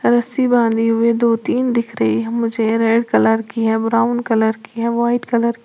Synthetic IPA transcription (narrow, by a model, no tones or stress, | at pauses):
ɾɐsibãːnd̪iɦʊed̪oːt̪iːnd̪ɪkʰɾɐɦiɦɛmʊd͡ʒʱeɾeːɖkɐləɾkiɦɛbɾaːʊnkɐləɾkiɦɛʋaːɪʈkɐləɾ